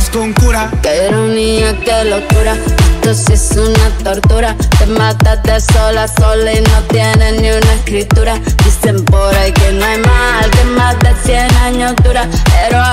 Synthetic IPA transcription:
uŋkuɾakeɾoniɲakelokuɾaet̪osisunat̪oɾt̪uɾat̪emat̪at̪esolasolainot̪jenenĩunaeskɾit̪uɾad̪isempoɾajkenoajmalk̪emalt̪esjenaɲod̪uɾaeɾo

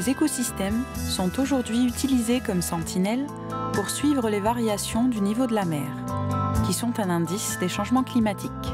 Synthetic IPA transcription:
ezekosist̪ɛmsɔ̃t̪oʒuʁd̪ɥiyt̪ilizekɔmsɑ̃t̪ʰinɛl | puʁsɥivʁəlevaʁjasjɔ̃d̪ynivod̪əlamɛːʁkʲisɔ̃t̪ɛ̃nɛ̃d̪isd̪eʃɑ̃ʒmɑ̃klimat̪ʰik

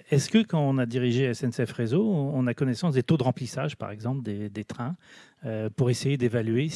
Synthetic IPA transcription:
ɛskəkɑ̃ɔ̃nad̪iʁiʒeɛsɛnsɛfʁezõɔ̃nakɔnɛsɑ̃sd̪et̪od̪əʁɑ̃plisaʒpa̰ʁɛɡzɑ̃pld̪ed̪et̪χɛ̃ | øpuʁesejed̪evalɥe

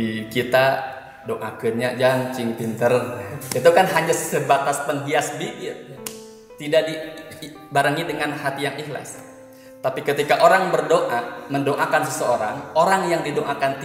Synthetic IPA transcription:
ikit̪a | doʔakənɲad͡ʒaŋt͡ʃiŋp̪int̪ərit̪ukanɦaɲassəbat̪aspəŋɦiasbikɪt̪̚ | t̪idaʔdi | baɾəŋidəŋanhat̪ijaŋihla̰s | t̪apikət̪ikaʔoɾaŋbərdoʔaməndoʔakansəsəoɾaŋoɾaŋjaŋdidoʔakant̪

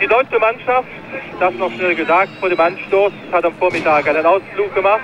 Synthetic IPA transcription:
d̥iːdɔʏt͡ʃəmanʃaftd̥asnɔχʃnɛlɡəzaːk̚tfoːɐɾeːmʔanʃtoːsshatamfoːɐmɪtaːkʔaɪnənaʊsfluːk̚ɡ̥əmaχt

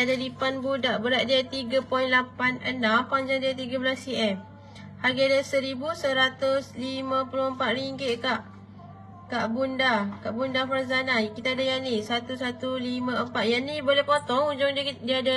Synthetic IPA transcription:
adadipanbudaʔbəɾaʔ̪̚diat̪iɡapɔinlapanənãmpaɲd͡ʒaŋdiat̪iɡabəlasiʔɛm | haɡadasəɾibusəɾat̪ʊslimãpuloəmpat̪̚ɾiŋɡɪʔ̪̚kaʔ | kaʔbundakaʔbundafaɾzanakit̪aːdajanisat̪usat̪ulimãəmpat̪̚janibolɛhpot̪ɔŋud͡ʒʊŋddiada

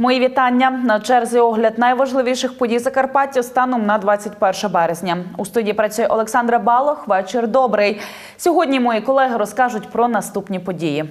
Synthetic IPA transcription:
mɔjiʋʲit̪ɑnʲːɐnɐt͡ʃɛrzijɔɦlʲɐd̪nɐjʋɐʒlˠɪʋʲiʃɪxpɔdʲijzɐkɐrpɑtʲiwst̪ɑnɔmnɐd̪ʋɑt͡sʲːɐtʲpɛrʃɐbɛɾezʲnʲɐust̪udʲijipɾɐt͡sʲujɛʔɔlˠeksɑnd̪ɾɐbɑlˠɔxʋɛt͡ʃɪrd̪ɔbɾɪj | sʲɔɦɔdʲnʲimɔjikɔlˠɛɦɪɾɔskɑʒʊtʲpɾɔnɐst̪upnʲipɔdʲiji

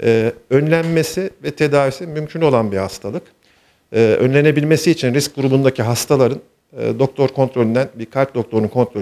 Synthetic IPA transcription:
ɛːø̞nlʲænme̞sivɛt̪ʰe̞d̪aːvisinmymcʰyno̞lˠanbihast̪ʰalˠɯk | ɯːø̞̰nlʲe̞ne̞bilʲme̞siːt͡ʃʰinɾisc̚ɡuɾubund̪acʰiɦast̪ʰalˠaɾɯn̰ː | d̪o̞k̚t̪ʰo̞ɾkʰo̞nt̪ɾo̞lʲynd̪ænbiɾkʰalʲp̚d̪o̞k̚t̪ʰo̞ɾunkʰo̞nt̪ɾo

